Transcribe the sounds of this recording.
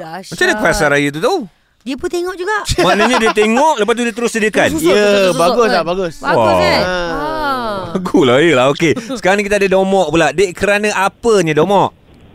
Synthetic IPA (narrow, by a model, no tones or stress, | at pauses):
mat͡ʃamɲakasaɾajət̪ut̪au | diəpunt̪eŋɔʔd͡ʒuɡaʔmaʔnəɲãdiət̪̬eŋɔʔləpast̪udiət̪əɾʊsədiəkanjəbaɡʊslabaɡʊsa | baɡulajəlaɦokessəkaɾaŋɲkit̪adədomɔʔpulaʔdeʔkəɾanaʔapəɲãdomɔʔ